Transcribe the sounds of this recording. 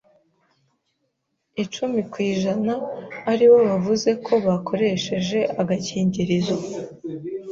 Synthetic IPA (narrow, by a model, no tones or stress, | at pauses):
it͡ʃumikwiːʒanaːɾiwo̞βavuze̞kʰo̞βakʰo̞ɾe̞ʃe̞ʒe̞ʔaɡaciːɲɟiɾizo